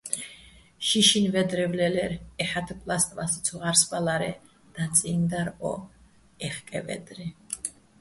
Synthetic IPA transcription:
ʃiʃinvɛd̪ɾɛvlɛlɛɾɛħat̪ʰpʼlast̪ʼmasi̥t̪sʰuʁaɾsbalaɾɛ̰ | d̪̥at̪sʼind̪aɾɔ̰ | ɛχkʼɛ̰vɛ̰d̪ɾi

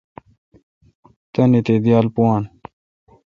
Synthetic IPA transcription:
t̪ɐnit̪ed̪jaːlpuwaːn

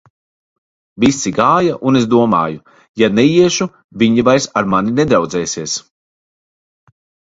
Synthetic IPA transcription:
visːiɡaːjaʔunesd̪uɔma̰ːju | janɛjiɛʃu | viɲivajsaɾmaninɛd̪ɾawd̪zɛːsiɛs

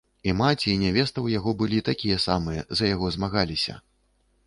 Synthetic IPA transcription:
imat͡sʲiːnʲavʲɛst̪ɐwjaɣɔbɨlʲit̪akʲijɐsamɨjɐzɐjaɣɔzmaɣalʲisʲɐ̰

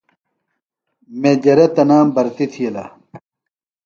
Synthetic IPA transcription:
med͡ʑɐɾɐt̪ɐnaːmbɐɾt̪it̪ʰiɐla̰

